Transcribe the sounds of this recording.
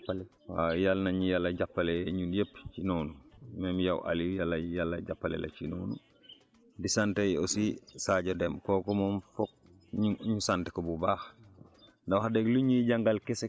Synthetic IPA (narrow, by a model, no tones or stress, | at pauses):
ale | wajalnaɲijalːɐɟapːaleɲunjept͡ʃinoːnumemjawʔa̰lijalːɐjalːɐɟapːalḛlʔa̰t͡ʃinoːnṵ | disantejosisaɟodemkokɔmomfɔk̚ | ɲuɲusantekɔbubax | ndawhadeɡluɲiɟaŋɡalkese